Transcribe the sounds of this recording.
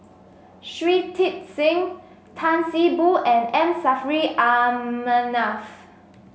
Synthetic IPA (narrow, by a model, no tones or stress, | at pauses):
ʃɹitʰit̚sĩŋ | tʰãnsibuʔɛ̃nɛ̃msafɹiʔamənaf